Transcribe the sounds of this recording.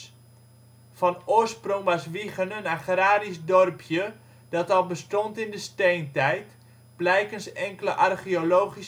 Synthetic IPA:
fɑnʊːrsproŋbasʋiχənənaχraːɾisdɔrpʰjə | d̥ɑtɑlˠbəstɔntɪndəstejntɛjt | b̥lɛjkənsɛŋkələʔarχiolowχis

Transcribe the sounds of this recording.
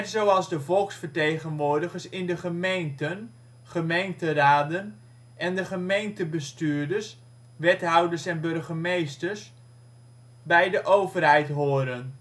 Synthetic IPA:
tsowɑlˠzdəvɔlˠksfəɹtejɣənʋʊːɹdəχəɹsɪndəχəmejntən | χəmejntəraːdən | ʔɛndəχəmejntəbəstyːɹdəs | ʋɛtɦʌwdəsɛnbɵrχəmejstəɹs | bɛjdəʔowvərɦɛjtɦoːɾən

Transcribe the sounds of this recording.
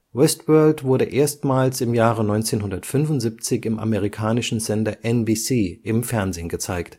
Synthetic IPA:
wɛstvœɐltv̥ʊɐɾəʔeːɐstmaːlsɪmjaːʁənɔʏnt͡seːnɦʊndɐtfʏnʊntz̥iːp̚t͡sɪçɪmʔa̰məʁikʰaːnɪʃn̩zɛndɐʔɛnbiːsiːʔɪmfɛɐnzeːnɡət͡saɪkt

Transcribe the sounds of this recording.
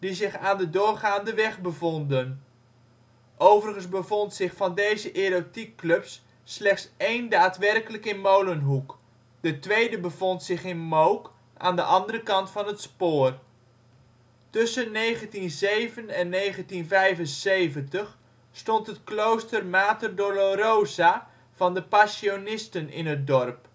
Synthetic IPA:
dizɪχaːndədʊːrχaːndəʋɛχbəvɔndən | ʔowvərəχənzbəvɔntsɪχfɑndejzəʔeɾotikːlɵpsː | lɛχtsejndaːtʋɛrkələkɪnmowlənɦuk | dətʋejdəbəvɔntsɪχɪnmowk | ʔa̰ːndəʔɑndərəkɑntfɑnətspoːr | tʏsənːejχəntinzejvənɛnːejχəntinvɛjvənsejvəntəχ | stɔntɦətklowstərmaːtərdoloɾowza | v̥ɑndəpasionɪstənɪ̰nɦət̚dɔrp

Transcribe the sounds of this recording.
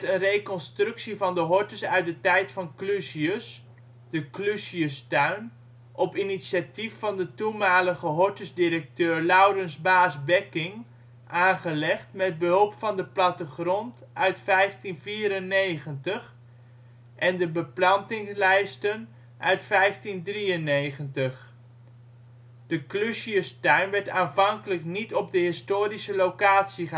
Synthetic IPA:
tənrejkɔnstrʏksivɑndəɦɔɹtəsœɥt̚dətɛjtfɑnklysiəs | d̥əklysiəstœɥn | ʔɔpinisjatifːɑndətumaːləɣəɦɔɹtəzdiɾək̚tøːɹlawrənzbaːzbɛkɪŋ | ʔaːnχəlɛχtmɛd̚bəɦɵlˠpfɑndəplɑtəχrɔntœɥtfɛjftinviːɾənejχəntəχ | ʔɛndəbəplɑntɪŋslɛjstən | ʔœɥtfɛjftindriənejχəntəχ | d̥əkløʃiəstœɥnʋɛɹtaːnvɑŋkələknitɔb̚dəɦɪstoːɾisəlowkaːtsiə

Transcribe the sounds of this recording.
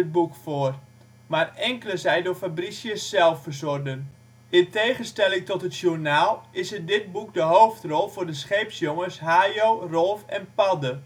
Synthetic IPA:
ət̚bukfoər | marɛŋkələzɛjdofabrisjəsːɛlˠfərsɔrdən | ɪntejχənstɛlˠɪŋtɔtətʃurnaːlˠɪsədɪt̚buk̚dəɦowftrɔlˠfʊːrdəsχejpsjoŋəsɦaːjoːrɔlˠfɛnpɑdə

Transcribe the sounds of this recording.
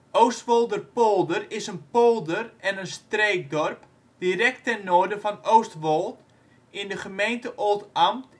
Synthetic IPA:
ʔowstʋolˠdərpolˠdərɪsənpolˠdərɛnənstreːk̚dɔrp | d̥irɛk̚tɛnːoːrdəfɔnowstʋolˠt | ɪndəχəmejntəʔolˠtamt

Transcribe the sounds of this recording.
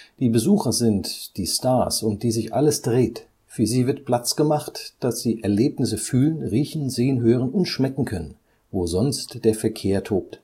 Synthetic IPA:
d̥iːbəzuːxɐzɪntd̥iːstaɐsʊnt̚d̥iːzɪçʔa̰ləsd̥ʁeːt | fyːɐziːvɪɐtpl̥at͡sɡ̥əmaχtd̥asz̥iːʔɛɐleːpnɪsəfyːlənʁiːçn̩zeːənɦøːʁ̞ənʊntʃmɛkŋ̩kʰœnən | voːzɔnstd̥eːɐfɛɐkʰeːɐtʰoːp̚t

